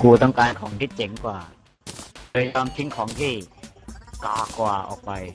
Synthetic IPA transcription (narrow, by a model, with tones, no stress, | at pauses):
kuː˧t̪ɔ˥˩ŋkaː˧nkʰɔː˩˦ŋt̪ʰiː˦˥˩t͡ɕe˨˩˦ŋkwaː˨˩ | lɤː˧jjɔː˧mt̪ʰi˦˥ŋkʰɔː˩˦ŋt̪ʰiː˥˩ | kaː˨˩kːwaː˨˩ʔɔ̰ː˨˩k̚pa˧j